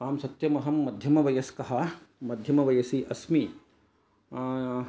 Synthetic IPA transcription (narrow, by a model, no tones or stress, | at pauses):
aːmsɐt̪jɐmɐɦɐmːɐd̪ʱjɐmɐʋɐjɐskɐɦɐmɐd̪ʱjɐmɐʋɐjɐsiʔɐsmi